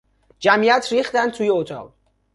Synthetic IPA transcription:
d͡ʒæmijæt̪ʰɾiːχt̪ænd̪t̪ʰuːjeot̪ʰɒ̰ʁ

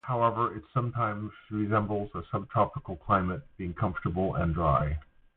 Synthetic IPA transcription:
haʊɛvə˞ʔɪtsʌ̃mtʰãɪ̃mz̥ɹizɛ̃mbl̩ˠzəsʌb̚tʰɑpəkl̩ˠkʰl̥ãɪ̃mɨt̚b̥iɪ̃ŋkʰʌ̃ɱftə˞bl̩ˠə̰̃ndɹaɪ

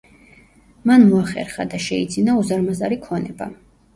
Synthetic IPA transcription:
manmɔaχɛ̰ɾχad̪aʃɛid̪zinauzaɾmazaɾikʰɔnɛba

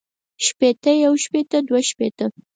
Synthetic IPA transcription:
ʃpet̪əjawʃpet̪əd̪waʃpet̪ə

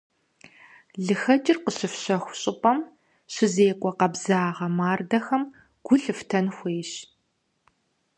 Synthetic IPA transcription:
ɮɨxɐd͡ʒʼɪrqəɕɪfɕɐxʷʊɕʼɪpʼɐm | ɕɪzeːkʷʼɔqɐbzaːʁɐmaːrdɐxɐm | ɡ̥ʷʊɬɨftʰɐnxʷeːɕ

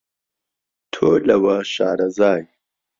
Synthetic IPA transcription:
t̪ʰoːlɐwaɕa̰ːɾɐzaːj

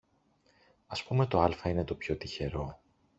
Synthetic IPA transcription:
ɐspume̞t̪o̞ɐlfɐine̞t̪o̞pço̞t̪içe̞ɾo̞

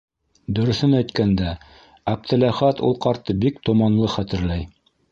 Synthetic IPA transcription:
d̪ɵ̆ɾɵ̆θɘnæjt̪kænd̪æ | æp̚t̪ʰɘ̆læχæt̪ṵlˠqɑɾt̪ːɤbikt̪ŏmɑnlˠɤχæt̪ɘ̆ɾlæj

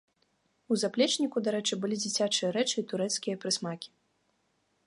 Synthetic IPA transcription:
uzaplʲɛt͡ʂnʲikud̪aɾɛt͡ʂɨbɨlʲid͡zʲit͡sʲat͡ʂɨjɐɾɛt͡ʂɨit̪uɾɛt̪skʲijɐpɾɨsmakʲi̥

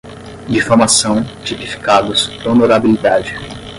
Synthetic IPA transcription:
d͡ʒifoɾmasɐ̃w̃t͡ʃipifi̥kad̪ʊsonoɾabilid̪ad͡ʒɪ

